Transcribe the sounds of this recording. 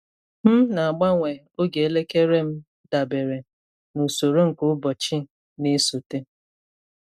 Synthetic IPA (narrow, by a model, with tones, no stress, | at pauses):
m̩˦na˨a˨ɡ͡ba˦ŋʷe˨ | o˦ɡe˨e˦le˦ke˦ɾe˦m̩˦ | da˨be˨ɾe˨ | nu˨so˨ɾo˦ŋ̩˨ko˦bɔ˨t͡ʃi˦ | ne˦so˨te˦